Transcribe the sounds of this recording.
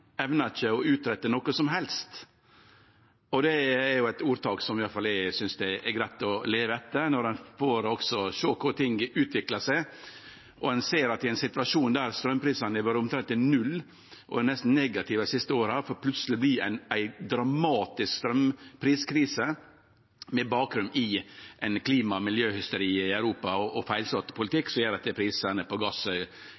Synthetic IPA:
ɛʋnɑɪt͡ʃːəɔʉːt̪ɾɛt̪ːənɔkəsɔmɦɛlst̪ | ɔd̪ɛːɾjʊæɪt̪uːɾt̪ʰɑːksɔmɪjɑfɑlɛsʏnsd̪ɛʔɛɡɾæɪt̪ɔleːʋəɛt̪ːənɔɾɛnfoːɾɔksɔʃøːkʰʊɾt̪ʰɪŋʉːt̪ʰʋɪklɑsæɪ | ʔɔɛnseːɾɑt̪ːɪæɪnsɪt̪ʋɑʂuːnd̪æːɾst̪ɾœmːpʰɾiːsɑnɛʋøːɾəʊmt̪ʰɾɛnt̪ɪnʉlː | ʔɔ̰ɛnɛst̪n̩nɛɡɑt̪ʰɪʋəsɪst̪əoːɾəæfɔːɾpʰlʉt̪səlɪbliːæ̰ɪnæɪd̪ɾɑmɑːt̪ɪskst̪ɾœmpʰɾiːskʰɾiːsə | mɛbɑːkɾʉnd̪ɪʔɛɪnkʰliːmɑmɪljøːhʏst̪əɾiːɪœʉɾuːpɑɔʔɔfæɪlsɔt̪pʰʊlɪt̪ʰɪkːsɔjeːɾɛt̪ɛpʰɾiːsənəpʰɔɡɑsœ

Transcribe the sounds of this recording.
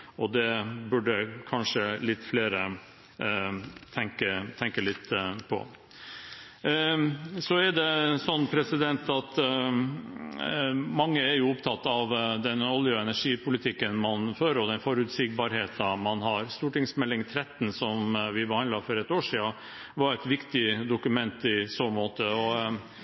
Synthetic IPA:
ɔd̪ɛbʉɖəkʰɑnʂəlɪt̪ːfleːɾə | t̪ʰɛŋkət̪ʰɛŋkəlɪt̪ːpʰɔ̰ | sɔɛɖɛsɔnːpʰɾɛsɪd̪ɛnt̪ɑt̪ | mɑŋːəæɾjʊʊpt̪ʰɑt̪ːɑʋd̪ɛnɔljʊɛnæʂiːpʰʊlɪt̪ʰɪkːənmɑnføːɾɔd̪ɛnfɔɾʉt̪sɪɡ̚bɑɾheːt̪ɑmɑnɦɑɾst̪uːʈɪŋsmɛlːɪŋt̪ʰɾɛt̪ːn̩sɔmʋɪbəhɑnd̪ɑfɔɾɛt̪ːoːʂiːɑ | ʋɑɾɛt̪ʋɪkt̪ɪd̪ʊkʉmɛnt̪ɪsoːmoːt̪əɔ

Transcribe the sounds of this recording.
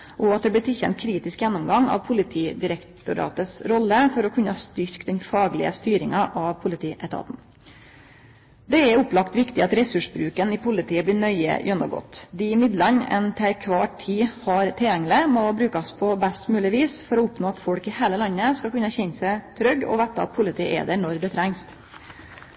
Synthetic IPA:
ʔɔɑt̪̚d̪ɛblɪt̪ʰɪlçɛ̰nt̪̚kʰɾiːt̪ɪskjɛnːʊmɡɑŋɑ̰ʋpʰʊlɪt̪ʰiːd̪ɪɾɛkt̪ʊɾɑ̰ːt̪əsɾɔlːəfɔɾɔkʰʉnːəɑst̪ʏɾkd̪ɛnfɑːɡlɪ̰əst̪yːɾɪŋɑʔɑʋpʰʊlɪt̪ʰiːʔɛt̪ʰɑ̰ːt̪n | d̪ɛɛʊplɑkt̪ʋɪkt̪ɪɑt̪ɾɛsʉʂbɾʉːkənɪpʰʊlɪt̪ʰiːəb̪ɪːɳœʏə̰jʔœnːɔɡɔ̰t̪d̪ɪɪmɪd̪lɑnɛ̰nt̪ʰɛkʰʋɑːʈʰːiːhɑɾt̪ʰɪljɛŋːlɪmɔbɾʉːkɑspʰɔbæst̪mʉːlɪʋiːsfɔɾɔʊpnoːɑt̪fɔɽkɪheːləlɑnːəskɑkʉnːəçɛnsæɪt̪ʰɾœɡɔ̰ʋɛt̪ːəɑ̰t̪̚pʰʊlɪt̪ʰiːəʔḛːd̪ənɔɾd̪ɛt̪ʰɾæŋs

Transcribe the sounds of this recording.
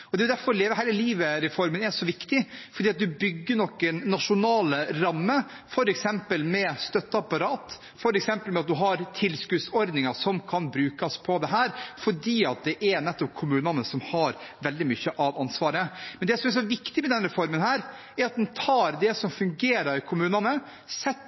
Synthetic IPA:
ɔd̪ɛʊd̪æɾfɔɾleːʋəɾɦæɪləliːʋəɾɛfɔɾmənɛʂɔʋɪkt̪ɪfɔɖiːɑt̪̚d̪ʉbʏɡːəɳɔkːənnɑʂʊnɑːləɾɑmːə | fɔɾɛksɛmpəlmɛst̪œt̪ːəɑpːɑɾɑːt̪ | fɔɾɛksɛmpəlmɛɑt̪̚d̪ʉɦɑɾt̪ʰɪlskʉd̪sɔɾd̪nɪŋɑʂɔmkʰɑnbɾʉːkɑspʰɔd̪ɛɦæːɾfɔɖiːɑt̪̚d̪ɛʔɛɾnɛt̪ːɔp̚kʰʊmʉːnɑnəsɔmhɑɾʋɛld̪ɪmʏçːəʔɑʋɑnsʋɑːɾəmɛnd̪ɛsɔmɛʂ̬ɔʋɪkt̪ɪmɛd̪ɛnɾɛfɔɾmənhæːɾ | æɾɑt̪̚d̪ɛnt̪ʰɑːɾd̪ɛsɔmfʉŋɡeːɾəɾkʰʊmʉːnɑnə | sɛt̪ː

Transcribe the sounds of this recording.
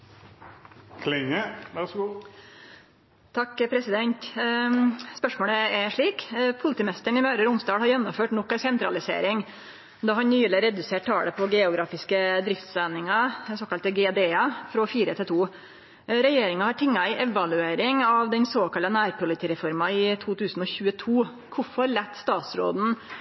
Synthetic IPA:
kʰlɪŋəʋæ | t̪ʰɑkːpʰɾɛsɪd̪ɛnt̪ | spœʂmoːɽəɛʂɭiːkpʰʊlɪt̪iːmɛst̪əɳɪmœːɾəɾʊmsd̪ɑːɽhɑɾjɛnːɔmføːʈnɔkːɑsɛnt̪ɾɑlɪsḛːɾɪŋ | d̪ɑːhɑnnyːləɾɛd̪ʉseːʈ̚t̪ʰɑ̰ːɽəpʰɔɡɛːʊɡɾɑːfɪskəd̪ɾɪft̪sæːnːɪŋɑsoːkɑlt̪ɡɛd̪eːɑfɾɔfiːɾət̪ʰɪlt̪ʰuː | ɾɛjeːɾɪŋɑhɑʈʰɪŋːɑɪʔɛʋɑlʉeːɾɪŋɑʋd̪ɛnsoːkɑlənæːɾpʰʊlɪt̪iːɾɛfɔɾmɑɪt̪ʰuːt̪ʰʉːsn̩ɔçʉːət̪ʰuː | kʰʊfɔɾlɛt̪ːst̪ɑːt̪sɾo̰ːd̪n̩

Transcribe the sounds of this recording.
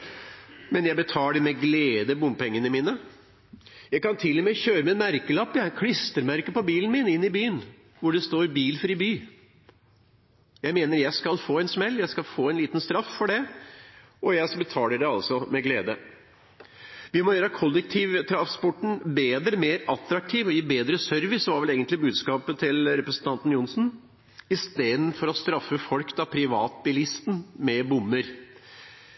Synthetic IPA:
mɛnjæɪbət̪ʰɑːləɖɛmɛɡleːd̪əbʊmpɛŋːənəmiːnə | jæɪkɑnt̪ʰɪlːɔmɛːçøːɾəmɛnmæɾkəlɑpːəkʰɽɪst̪əɾmæɾkəpɔbiːln̩mɪnɪnːɪbyːən | ʋʊɖɛst̪oːɾbiːlfɾiːbyː | jæɪmeːnəɾjæɪskɑlfoːɛnsmɛlːjæɪskɑlfoːɛnliːt̪nst̪ɾɑffɔɖɛ | ʔɔjæɪbət̪ʰɑːləɖɛɑlsɔmɛɡleːd̪ə | ʋɪmɔjøːɾəkʰɔlːɛk̚t̪ʰiːʋt̪ʰɾɑspɔʈɳ̩beːd̪ɾəmeːɾɑt̪ɾɑk̚t̪ʰiːʋɔjiːbeːd̪ɾəsœɾʋɪsɔʋɑɾʋɛleːɡənt̪lɪbʉːd̪skɑːpət̪ʰɪlɾɛpɾəsən̩t̪ʰɑnt̪n̩jʊnsn̩ | ɪst̪eːd̪n̩fɔɾɔst̪ɾɑfːəfɔlkd̪ɑpʰɾɪʋɑːt̪̚bɪlɪst̪nmɛbʊnːəɾ

